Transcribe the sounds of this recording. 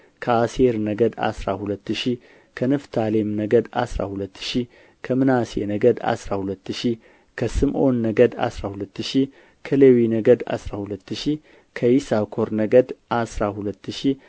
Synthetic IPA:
kʰəaseɾnəɡəd̪a̰sɾa̰hulət̪ːɨʃi | kʰənɨft̪ʰalemnəɡəd̪a̰sɾa̰hulət̪ːɨ̥ʃi | kʰəmɨnasenəɡəd̪a̰sɾahulət̪ːɨʃi | kʰəsɨmʔo̞nːəɡəd̪a̰sɾahulət̪ːɨʃi | kʰəlewinəɡəd̪a̰sɾahulət̪ːɨʃi | kʰəjisakʰoɾnəɡəd̪ʔasɾahulət̪ːɨʃi

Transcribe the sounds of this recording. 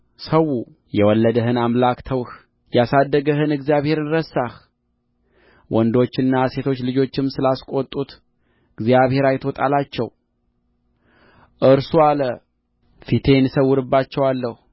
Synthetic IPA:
səwu | jɛwɔlːəd̪əɦɨnamlakt̪ʰəwh | jasad̪ːəɡəɦɨnɨɡzijaβhe̞ɾɨnɾəsːah | wʔɔnd̪o̞t͡ʃːɪnːase̞t̪ʰo̞t͡ʃːlɨd͡ʒo̞t͡ʃːɪmsɨlaskʼot̪ʼːut̪ | ɨɡzijaβhe̞ɾajt̪ʰot̪ʼalat͡ʃːɛw | ʔɨɾsualə | fit̪ʰe̞nɨsəwːʊɾɨbːat͡ʃːɛwalːəhu

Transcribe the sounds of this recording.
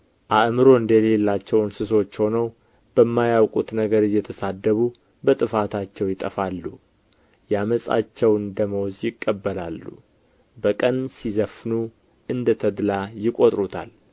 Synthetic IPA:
ʔaʔmɨɾo̞ɨnd̪elelːat͡ʃːɛwɨnsɨso̞t͡ʃːho̞nəw | b̥əmːajawkʼut̪nəɡəɾɨjːɛt̪ʰəsad̪ːəβu | bət̪ʼɨfat̪ʰat͡ʃːɛwjɪt̪ʼəfalːu | jaməsʼa̰t͡ʃːɛwɨnd̪əməwzjɪkʼːəbːəlalːṵ | bəkʼənsizəfnu | ɨnd̪ət̪ʰəd̪lajɪkʼot̪ʼɾut̪ʰa̰l

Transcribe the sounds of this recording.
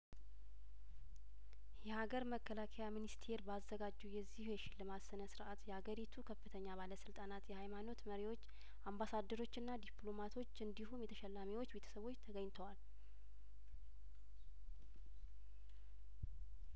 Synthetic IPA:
jɛhaɡəɾməkːəlakʰəjaminist̪ʰe̞ɾbazːəɡad͡ʒːujɛzːihjɛʃɪlːɨmasɨnəsɨɾʔat̪jɛhaɡəɾit̪ʰukʰəfːɨt̪ʰəɲːaβaləsɨlt̪ʼanat̪jɛhajmano̞t̪məɾiwo̞t͡ʃː | ʔambasad̪ːəɾo̞t͡ʃːɨnːad̪iplo̞mat̪ʰo̞t͡ʃːɨnd̪ihumjɛt̪ʰəʃɛlːamiwo̞t͡ʃːbe̞t̪ʰə̥səβo̞t͡ʃːt̪ʰəɡəɲt̪ʰəwal

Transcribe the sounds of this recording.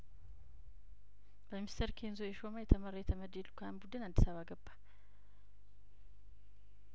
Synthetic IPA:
b̥əmist̪ʰəɾkʰenzojɛʃomajɛt̪ʰəməɾəjɛt̪ʰəməd̪elukʰanbud̪ɨnand̪ːisaβaɡəbːḁ

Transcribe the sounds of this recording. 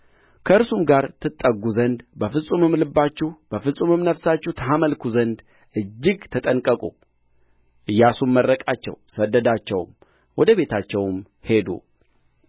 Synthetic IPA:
kʰəɨɾsumɡaɾt̪ʰɨt̪ʼːəɡuzənd̪bəfɨsʼumɨmlɨbːat͡ʃːɪhb̥əfɨsʼumɨmnəfsat͡ʃːit̪ʰəɦaməlkuzənd̪ | ʔɨd͡ʒːɪɡt̪ʰət̪ʼənkʼəkʼṵ | ʔɨjːasummːəɾːəkʼat͡ʃːɛ̰wsəd̪ːəd̪at͡ʃːɛw̰m | wɔd̪əbe̞t̪ʰat͡ʃːɛwm | he̞d̪ṵ

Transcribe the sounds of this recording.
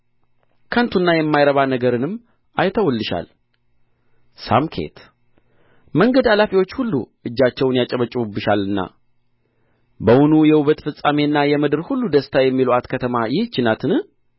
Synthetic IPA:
kʰənt̪ʰunːajɛmːajɾəβanəɡəɾɨnɨm | ʔajt̪ʰəwɔlːɨʃa̰l | sa̰mkʰḛt̪ | məŋɡəd̪alafiwo̞t͡ʃːhulːṵʔɨd͡ʒːat͡ʃːɛwnjat͡ʃʼəβət͡ʃʼβubːɨʃalɨnːa̰ | bəhunujɛhuβət̪fɨsʼameɨnːajɛmɨd̪ɨɾhulːud̪əst̪ʰajɛmːilwat̪kʰət̪ʰəmajɪht͡ʃːɪnat̪ʰɨnɨh

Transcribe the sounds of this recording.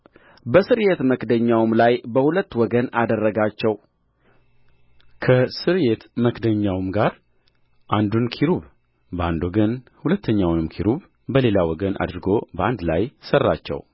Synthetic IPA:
bəsɨɾjet̪məkd̪əɲːawmlajbəhulət̪ːwɔɡənad̪ərːəɡat͡ʃːɛw | kʰəsɨɾjet̪məkd̪əɲːawmɡaɾ | ʔand̪unkʰiɾuβ | bəand̪wɔɡənhulət̪ʰːəɲːawnɨmkʰiɾuβ | bəle̞lawɔɡəna̰d̪ɾɨɡo̞bəand̪lajsərːat͡ʃːɛ̰w

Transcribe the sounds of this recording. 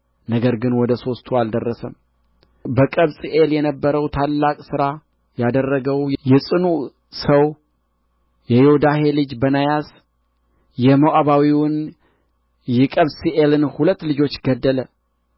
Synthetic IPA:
nəɡəɾɡɨnwɔd̪əso̞st̪ʰuald̪ərːəsəm | bəkʼəβsʼiʔeljɛnəbːəɾəwt̪ʰalːakʼsɨɾa | jad̪ərːəɡəwjjɛsʼɨnu | səw | jɛjɛud̪ahe̞lɨd͡ʒbənajas | jɛməʔaβawiwʊn | jɛkʼəβsiʔelɨnhulət̪ːlɨd͡ʒo̞t͡ʃːɡəd̪ːələ

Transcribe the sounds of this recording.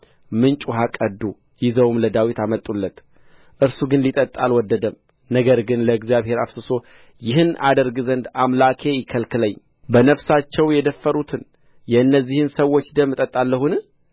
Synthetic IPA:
mɨnt͡ʃʼuɦakʼəd̪u | jɪzəwmləd̪awit̪amət̪ʼːulːət̪ | ʔɨɾsuɡɨnlit̪ʼət̪ʼːalwɔd̪ːəd̪əm | nəɡəɾɡɨnləɨɡzijaβhe̞ɾa̰fsɨso̞ | jɪhɨnʔad̪əɾɡɨzənd̪amlakʰe̞jɪkʰəlkɨləɲː | bənəfsat͡ʃːɛwjɛd̪əfːəɾut̪ʰɨn | jɛɨnːəzːihɨnsəwːo̞t͡ʃːd̪əmːɨt̪ʼət̪ʼːalːəhunɨ

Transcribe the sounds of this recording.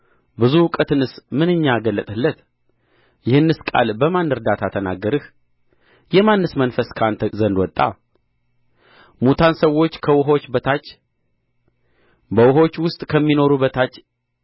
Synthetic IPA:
bɨzuwʊkʼət̪ɨnɨsmɨnɨɲːaɡəlːət̪ʼɨlːət̪ | jɪhɨnːɨskʼa̰lbəmanɨɾd̪at̪ʰat̪ʰəna̰ɡːəɾɨh | jɛmanːɨsmənfəskʰant̪ʰzənd̪wɔt̪ʼːa̰ | mut̪ʰansəwːo̞t͡ʃːkʰəwʊɦo̞t͡ʃːbət̪ʰat͡ʃː | bəwʊɦo̞t͡ʃːwʊst̪ʼkʰəmːino̞ɾubət̪ʰat͡ʃː

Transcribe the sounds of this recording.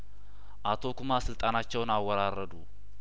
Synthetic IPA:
ʔat̪ʰo̞kʰumasɨlt̪ʼanat͡ʃːɛwnawːɔɾarːəd̪u

